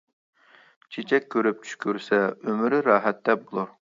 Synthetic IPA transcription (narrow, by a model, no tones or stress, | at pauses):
t͡ʃʰet͡ʃʰɛkʲʰːøɾyp̚t͡ʃʰy̥ʃkʲyɾsɛømɪɾɪɾɑːɦɛt̪ːd̪ɛbulˠuɾ